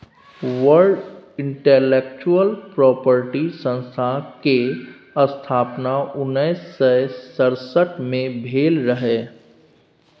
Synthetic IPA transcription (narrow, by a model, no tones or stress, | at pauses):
ʋəɾɖɪ̃ɳʈeːleːk̚t͡ʃuəlpɾɔːpəɾʈisə̃nst̪ʰake | əst̪ʰaːpnaʊnːɛːsːɛsəɾsəʈmẽbʱeːlɾəɦeː